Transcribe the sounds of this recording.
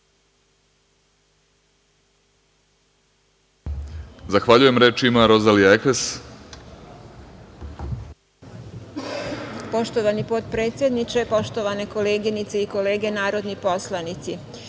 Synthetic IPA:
zaxʋaʎuje̞mɾeːt͡ʃimaɾo̞zalijaekes | po̞ʃt̪oʋanipo̞t̪pɾe̞ːt̪sʲje̞d̪nit͡ʃepo̞ʃt̪o̞ʋane̞ko̞le̞ːɡinit̪seiko̞le̞ːɡe̞naːɾo̞d̪nipo̞slanit̪si

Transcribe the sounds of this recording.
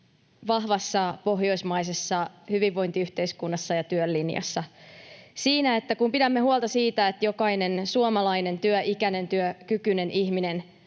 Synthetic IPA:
ʋɑhʋɑsːɑpo̞ɦjo̞ismɑjs̬esːɑhyʋiʋːo̞jnt̪iyht̪eiskunːɑsːɑjɑt̪yølːinjɑ̰sːɑ | siːnæe̞t̪ːækumpidæmːe̞huolˠt̪ɑsiːt̪æet̪jo̞kɑine̞nsuomɑlɑine̞nt̪yøʔikæne̞nt̪yøkykyne̞nihmine̞n

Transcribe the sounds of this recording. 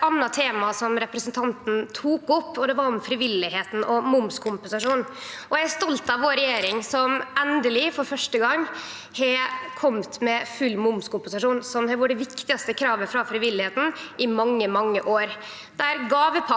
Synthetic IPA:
ɑnːɑt̪ʰeːmɑsɔmɾɛpɾəsənt̪ʰɑnt̪n̩t̪ʰuːkʊpːɔd̪ɛʋɑɾʊmfɾɪʋɪlːɪheːt̪n̩ɔmʊmskʰʊmpənsɑʂuːn | ɔjææst̪ɔlt̪ɑʋʋoːɾɛjeːɾɪŋsɔmɛnd̪əlɪfɔɾfœʂʈəɡɑŋː | hɛkʰɔmt̪mɛfʉlːmʊmskʊmpənsɑʂuːnsɔmhɛʋʊɖəʋɪkt̪ɪɡɑst̪əkʰɾɑːʋəfɾɑfɾɪʋɪlːɪheːt̪n̩ʔɪmɑŋːəmɑŋːəʔoːɾ | d̪̥æɾɡɑːʋəpʰɑ

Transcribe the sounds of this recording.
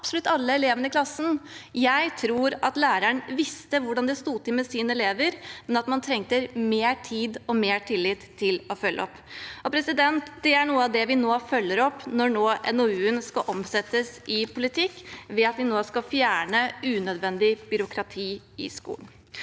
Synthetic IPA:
ɑpsɔlʉt̪ːɑlːəɛleːʋənəklɑsːən̩jæɪt̪ʰɾuːɾɑt̪læːɾəɳʋɪst̪əʋʊɖɑnd̪ɛst̪uːt̪ɪlmɛsiːnəɛleːʋəɾmɛnɑt̪mɑnt̪ʰɾɛŋt̪əɾmeːʈʰiːd̪ɔmeːʈʰɪlːɪt̪ʰːɪlɔfœlːʔɔpː | ɔpʰɾɛsɪd̪ɛnt̪d̪̥ɛæɳuːəɑʋd̪ɛʋɪnoːfœlːəɾɔpːnɔɳoːʔɛ̰nɔʉːənskɑʔɔmsɛt̪ːəsɪpʰʊlɪt̪ʰɪkːʋɛɑt̪ʋɪnoːskɑfjæːɳəʉːnœd̪ʋɛnd̪ɪbʏɾʊkʰɾɑt̪ʰiː | ɪ̰skṵːln̩

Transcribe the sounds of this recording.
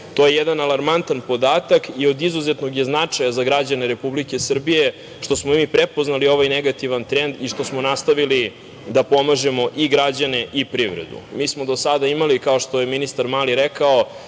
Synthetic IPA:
t̪o̞je̞jed̪analˠaɾmant̪anpo̞d̪aːt̪akio̞d̪izuzet̪noɡjeznat͡ʂajazaɡɾad͡ʑane̞ɾe̞publike̞sr̩bije | ʃt̪o̞smoimipɾepo̞znalio̞ʋajneɡat̪iʋant̪ɾend̪iʃt̪o̞smo̞nast̪aʋili | d̪apo̞maʒe̞mo̞ʔiɡɾad͡ʑane̞ʔipɾiʋɾḛd̪ṵmiːsmo̞d̪o̞sad̪aimalikaoʂt̪o̞jeminist̪aɾmaːliɾekao

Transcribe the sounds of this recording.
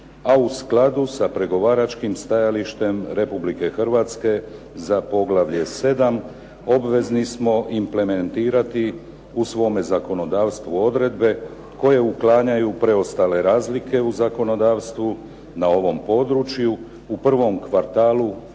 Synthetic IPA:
ausklˠad̪usapɾe̞ɡo̞ʋaːɾat͡ʃkimst̪ajaliʃt̪e̞mɾe̞publike̞xr̩ʋat̪ske̞ | zapo̞ɡlaʋʎe̞se̞d̪am | o̞bʋe̞znismo̞ʔimple̞me̞nt̪iːɾat̪i | usʋo̞ːme̞zako̞no̞d̪aːʋst̪ʋuo̞d̪ɾe̞d̪be̞ | ko̞je̞uklaːɲajupɾe̞o̞st̪aːle̞ɾaːzlikʰe̞uzako̞no̞d̪aːʋst̪ʋu | nao̞ʋo̞mpo̞d̪ɾut͡ʃju | upr̩ʋo̞mkʋaɾt̪aːlu

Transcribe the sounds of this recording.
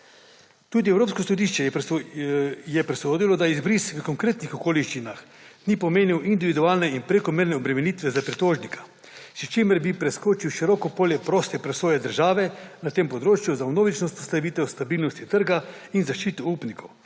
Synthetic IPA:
t̪uːd̪iɛwɾoːpskosɔd̪iʃt͡ʃɛ | jɛpɾɛsoːd̪ilɔd̪aizbɾiːsʋəkɔŋkɾeːt̪nixɔkoːliʃt͡ʃinax | nipoɔmeːniwʔind̪iʋid̪uaːlnɛinpɾekɔmeːɾnɛɔbɾɛmɛnit̪ʋɛzapɾit̪oːʒnikʰḁ | sit͡ʃeːmɛɾbipɾɛskoːt͡ʃiwʃiɾɔːkɔpoːljɛpɾoːst̪ɛpɾɛsoːjɛd̪əɾʒaːʋɛnat̪empɔd̪ɾoːt͡ʃjuzawnoːʋit͡ʃnɔst̪ɔslaʋiːt̪ɛwst̪abiːlnɔst̪it̪əɾɡa | inzaʃt͡ʃiːt̪uupnikʰow

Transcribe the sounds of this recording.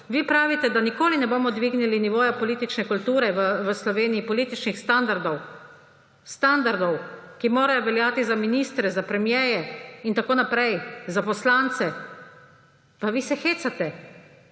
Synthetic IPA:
ʋipɾaːʋit̪ɛd̪anikoːlinɛboːmɔd̪ʋiːɡniliniʋoːjapɔliːt̪it͡ʃnɛkult̪uːɾɛʋəʋəslɔʋeːnijipɔliːt̪it͡ʃnixst̪and̪aɾd̪ɔw | st̪and̪aɾd̪ɔwkimoːɾajɔʋɛljaːt̪izaminist̪ɾɛzapɾɛmjɛːjɛint̪akoːnapɾɛjzapɔslant̪sɛ | paʋiːsɛxeːsat̪ɛ

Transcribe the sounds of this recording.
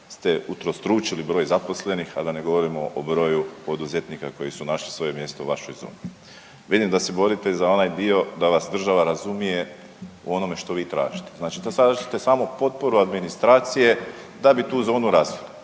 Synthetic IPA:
st̪e̞ut̪ɾost̪ɾuːt͡ʃilibɾo̞ːjzapo̞sle̞nixa̰d̪ane̞ɡo̞ʋo̞ɾimo̞ʔobɾo̞ːjupo̞d̪uze̞t̪niːkako̞jisunaʃlisʋo̞je̞mje̞st̪oṵʋaʃo̞jzo̞̰ːni | ʋid̪imd̪ase̞bo̞ɾit̪ezao̞najd̪io̞d̪aʋasd̪r̩ʒaʋaɾazumije̞ | ṵo̞no̞me̞ʃt̪o̞ʋiːt̪ɾa̰ːʒit̪eznaːt͡ʃit̪saʒit̪e̞saːmopo̞t̪̚po̞ɾuad̪minist̪ɾaːt̪sije̞ | d̪abit̪uːzo̞ːnuɾasilˠi

